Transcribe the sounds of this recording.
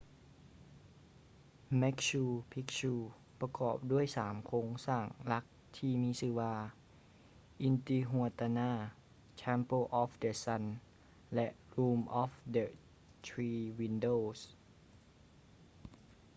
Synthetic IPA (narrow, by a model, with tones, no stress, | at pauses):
mɛ˦˥k̚ɕuː˧pʰi˦˥k̚ɕuː˧ | pa˧kɔː˨˩p̚du˥˩əjsaː˩˦mkʰoː˧˥ŋsaː˧˨˩ŋla˦˥k̚ | t̪ʰiː˧miː˧˥sɯː˧˩waː˧ | ʔi˧nt̪iː˧ɦu˧˩ət̪a˧naː˧˥˩ | t͡ɕʰɛː˧˥mpo˧˩ʔɔː˧˦fdə˧˩sa˧˥n | lɛ˧˥ʔɾuː˧mʔɔː˧˥fdə˧˩ | t̪ʰɾiː˧wi˧ndoː˧˩s